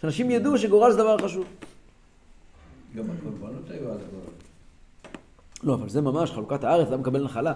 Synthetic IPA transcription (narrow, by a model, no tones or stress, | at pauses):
ʃanaʃimjad̪uʃeɡoʁalzd̪avaʁχaʃuv | ɡamakolbanot̪ajualɡoʁa | loavalzemamaʃχalukat̪aaʁet͡slamekabelnaχala